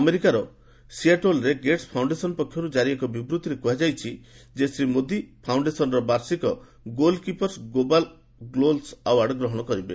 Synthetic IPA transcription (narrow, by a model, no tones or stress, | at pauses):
ameɾikaɾɔ | siaʈolɾeɡeʈspʰawɳɖesɔnpɔkʰjɔɾud͡ʒaɾiekɔbibɾut̪iɾekuɦad͡ʒajt͡ʃʰid͡ʒesɾimod̪ipʰawɳɖesɔnɔɾɔbaɾsikɔ | ɡolkipɔɾsɡobal | ɡlolsawaɽɔɡɾɔɦɔɽ̃ɔkɔɾibḛ